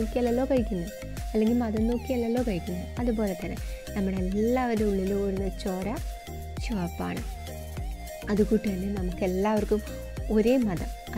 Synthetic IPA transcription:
oːkːiɐlːɐlːo̞ːkɐɻikʲːunːu | ɐlːe̞ŋɡilmɐðɐno̞ːkːijɐlːɐlːo̞ːkɐɻikʲːunːuɐðubo̞ːle̞t̪ːɐnːḛnɐmːuɽeelːaːʋɐɾeuɭːiloːɾunːɐt͡ɕːo̞ːɾa | ɕuaːpːa̰ːɳɨ̰ | ɐðukuʈːienːɨnɐmukːe̞lːaːʋɐrkum | o̞ɾeːmɐðɐm | ɐ

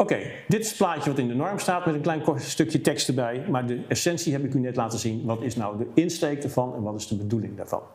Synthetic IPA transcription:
owkej | dɪtɪsəplaːtjəʋɑtɪndənɔɹmstaːtmɛtənklɛjnkɔstɵkjətɛkstəbɛjmaːɹdəɛsɛnsiɦɛpɪknynɛtlaːtəzinʋɑtɪsnawdəɪnstejk̚dəɹvɑnɛ̰nʋɑtɪzdəbədulɪŋda̰ːɹv̥ɑ̰n

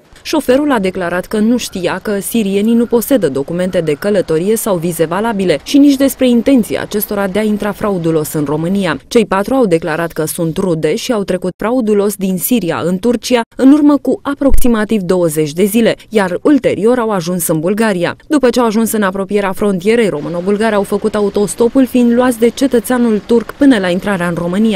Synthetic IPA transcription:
ʃo̞fe̞ɾulad̪e̞klaɾat̪kənuʃt̪ijakəsiɾije̞ninupo̞se̞d̪əd̪o̞kume̞nt̪e̞d̪e̞kələt̪o̞ɾije̞sawvize̞valabile̞ʃinit͡ʃʲd̪e̞spɾe̞int̪e̞nt̪sija̰ːt͡ʃe̞st̪o̞ɾad̪e̞aint̪ɾafɾaud̪ulo̞sɨnro̞mɨnijat͡ʃe̞jpat̪ɾuawd̪e̞klaɾat̪kəsunt̪rud̪e̞ʃiawt̪ɾe̞kut̪fɾaud̪ulo̞sd̪insiɾia̰ʔɨnt̪urt͡ʃiaɨnurməkuʔapɾo̞ksimat̪ivd̪o̞wəze̞t͡ʃʲd̪e̞zile̞jarult̪e̞̰ɾʔio̞ɾawaʒunsɨnbulɡaɾija̰d̪upət͡ʃeawaʒunsɨnapɾo̞pije̞ɾeafɾo̞nt̪ije̞ɾe̞jɾo̞mɨno̞bulɡaɾeawfəkut̪aut̪o̞st̪o̞pulfind̪luat̪sʲd̪e̞t͡ʃe̞t̪ət̪seanult̪urkpɨnəlaint̪ɾaɾeaɨnro̞mɨnija

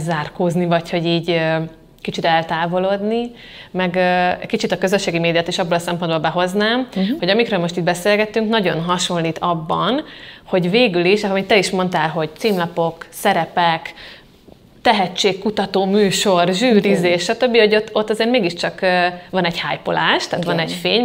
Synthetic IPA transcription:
zaːrkoːznivɒcho̞ɟiːɟø | kit͡ʃit̪ɛlt̪aːvolod̪ni | mɛɡɛkit͡ʃit̪ɒkø̞zøʃːeːɡimeːd̪ijɔt̪iʃɒbːolɒsɛmpo̞nd̪bo̞lbɛɦo̞znaːmho̞ɟɒmikɾøːlmo̞ʃt̪iːd̪bɛseːlɡɛt̪yŋknɒɟo̞nɦɒʃo̞nliːt̪ɒbːɒnho̞ɟveːɡyliʃɒmit̪ːɛiʃmo̞nt̪aːlɦo̞ɟ̪t͡ʃimlɒpo̞ksɛɾɛpɛk | t̪ɛɦɛt͡ʃːeːkkːut̪ɒt̪oːmyːʃo̞rʒyːɾizeːʃʃːɒt̪ø̞bːiho̞ɟot̪ːo̞t̪ːɒzeːɾrt̪meːɡiʃt͡ʃɒkːvɒnɛɟhaːjpolaːʃt̪aːt̪ʋɒnɛɟfeːɲ

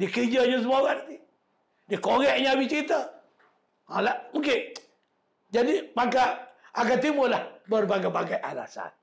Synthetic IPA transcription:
dikərd͡ʒəɲəs̬əmoaɡanat̪i | dikoɣɛʔɲəabit͡ʃɾit̪ə | alaʔmukɪn | d͡ʒadimakaaɡat̪imʊlahbərbaɡajbaɡajʔa̰la̰sa̰n

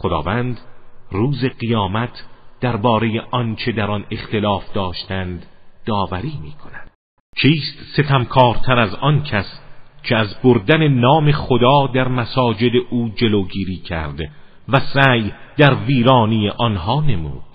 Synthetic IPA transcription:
χod̪ɒ̰ːvæːnd̪ruːze̞ɢijɒːmæt̪ʰd̪̥æɾbɒːɾeje̞ʔɒnt͡ʃʰe̞d̪æɾɒne̞χt̪e̞lɒːfd̪ɒːʃt̪ʰænd̪d̪ɒːvæɾiːmiːkʰo̞næd̪̥ | t͡ʃʰiːst̪se̞t̪ʰæmkʰɒːɾt̪ʰæɾæzɒnkʰæscʰeæzboɾd̪æne̞nɒːme̞χod̪ɒːd̪æɾmæsɒːd͡ʒe̞d̪e̞ʔuːd͡ʒe̞loɡiːɾiːcʰæ̰ɾd̪ | væsæjd̪æɾviːɾɒːnijeʔɒnɦɒːne̞mṵːd̪̥

